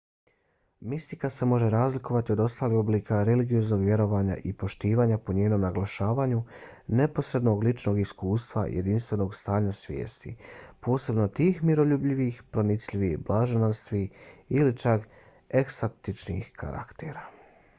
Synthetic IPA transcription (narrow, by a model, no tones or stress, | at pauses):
mist̪ikase̞mo̞ʒe̞ɾaːzliko̞ʋat̪io̞d̪o̞st̪aːlixo̞bliːkaɾeliɡijo̞zno̞ɡʋje̞ɾo̞ʋaːɲa̰ʔipo̞ʃt̪iːʋaːɲapo̞ɲeːno̞mnaɡlaʃaːʋaːɲune̞po̞sɾe̞d̪no̞ɡlit͡ʃno̞ːɡiskuːst̪ʋa̰jḛd̪inst̪ʋe̞no̞ːɡst̪aːɲasʋje̞̰ːst̪ḭpo̞ːse̞bno̞t̪iːxmiɾo̞ʎubʎiʋixpɾo̞nit̪sʎiʋiblˠaʒenanst̪ʋiilit͡ʃak | eksot̪it͡ʃnḭxkʰa̰ɾa̰kt̪ḛɾa